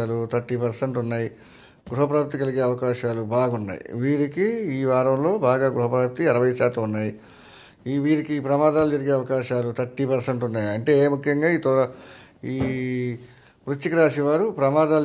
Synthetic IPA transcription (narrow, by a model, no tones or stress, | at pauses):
aːlut̪ʰɐʈːipɐɾsɐɳʈunːaːji | ɡɾuɦɐpɾaːp̚t̪ikɐliɡe̞ːɐʋɐkaːʃaːlubaːɡɐunːa̰ːjḭʋiːɾikiiːʋaːɾɐmlo̞ːbaːɡaːɡɾuɦɐpɾaːp̚t̪iɐɾɐʋɐjɐʃaːt̪ɐmunːaːji | iʋiːɾikipɾɐmaːd̪aːlud͡ʒɐɾiɡeːɐʋɐkaːʃaːlut̪ɐʈːipɐɾsɐɳʈunːaːjiɐɳʈe̞ːmukʰjɐŋɡaːiːt̪ɔɐiː | pɾut͡ʃːikɾaːʃiʋaːɾupɾɐmaːd̪aːl